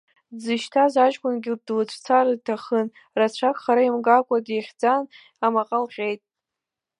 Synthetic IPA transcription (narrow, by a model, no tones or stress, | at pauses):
d͡zɨʃtʰazaʒkʷʼʊnɡʲɪb̚dlɨt͡ɕʷʰt͡sʰaɾɨdtʰaχən | rat͡ɕʷʰakʼχaɾaimɡakʷʼadeχʲd͡zan | amaqʼalʁʲʼe̞jtʼ